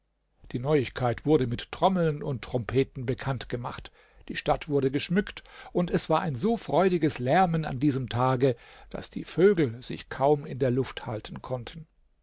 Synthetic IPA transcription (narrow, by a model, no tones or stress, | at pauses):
d̥iːnɔʏɪçkʰaɪtv̥ʊɐdəmɪtːʁ̥ɔml̩nʊnttːʁ̥ɔmpʰeːtn̩bəkʰantɡ̥əma̰χt | d̥iːʃtatv̥ʊɐdəɡəʃmʏktʔʊntɛsv̥aːɐʔaɪnzoːfʁ̥ɔʏdɪɡəslɛɐməna̰ndiːzəmtʰaːɡəd̥a̰sd̥iːføːɡl̩zɪ̰çkʰaʊmɪndeːɐlʊfthaltʰən̩kʰɔntʰən̩